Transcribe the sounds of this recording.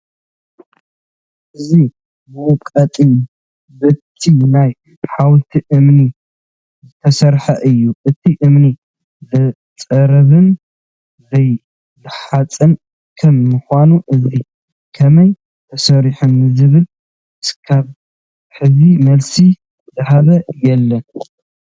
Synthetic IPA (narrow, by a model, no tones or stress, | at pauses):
ʔɨzi | mɔkʼɐt̪ʼi | bɨt̪ʰinaj | ħawt̪ʰiʔɨmni | zɨt̪ʰɐsɐɾħɐʔɨjːuʔɨt̪ʰiʔɨmni | zɐ | t͡sʼɐɾɐβɨn | zɐj | zɨħat͡sʼɐn | kʰɐmːɨxʷanuʔɨzi | kʰɐmɐj | t̪ʰɐsɐɾiħunːɨzɨβɨl | skʰaβ | ħɨzimɐlsi | zɐhaβɐjɛlːɐn